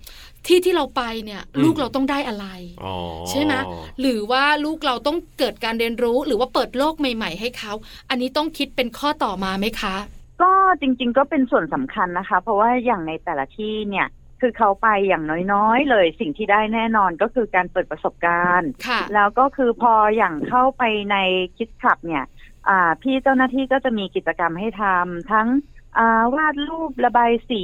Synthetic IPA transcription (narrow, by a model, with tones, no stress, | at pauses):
t̪ʰiː˥˩t̪ʰiː˥˩ɾa˧wpa˧jni˥˩ɐluː˥˩k̚ɾa˧wt̪ɔ˥˩ŋdaː˥˩jʔa˧ɾa˧jt͡ɕʰa˥˩jna˦˥ɾɯː˩˦waː˥˩luː˥˩k̚ɾa˧wt̪ɔ˥˩ŋkɤː˨˩t̪̚kaː˧nɾi˧ənɾuː˦˥ɾɯː˩˦waː˥˩pɤː˨˩t̪̚loː˥˩k̚ma˨˩jma˨˩jɦa˥˩jkʰa˦˥wʔa˧nːiː˦˥t̪ɔ˥˩ŋkʰi˦˥t̪̚pe˧nkʰɔː˥˩t̪ɔː˨˩maː˧ma˦˥jkʰa˦˥ʔkɔː˥˩t͡ɕi˧ŋt͡ɕi˧ŋkɔː˥˩pe˧nsu˨˩ənsa˩˦mkʰa˧nːa˦˥kʰa˦˥pʰɾɔ˦˥waː˥˩jaː˨˩ŋna˧jt̪ɛː˨˩la˦t̪ʰiː˥˩ni˥˩ɐ | kʰɯː˧kʰa˦˥˩wpa˧jːaː˨˩ŋnɔː˦˥jnɔː˦˥jlɤː˧jsi˨˩ŋt̪ʰiː˥daː˥˩jnɛː˥˩nɔː˧nkɔː˥˩kʰɯː˧kaː˧npɤː˨˩t̪̚pɾa˧so˨˩p̚kaː˧nkʰa˩lɛː˦˥wkɔː˥˩kʰɯː˧pʰɔː˧jaː˨˩ŋkʰa˥˩wpa˧jna˧jkʰi˦˥t̪̚kʰa˨˩p̚ni˥˩ɐʔaː˨˩pʰiː˥˩t͡ɕa˥˩wnaː˥˩t̪ʰiː˥˩kɔː˥˩t͡ɕa˨˩miː˧ki˨˩t͡ɕa˧ka˧mɦa˥˩jt̪ʰa˧mt̪ʰa˦˥ŋʔaː˨˩waː˥˩t̪̚ɾuː˥˩p̚la˧baː˧jsiː˨˩˦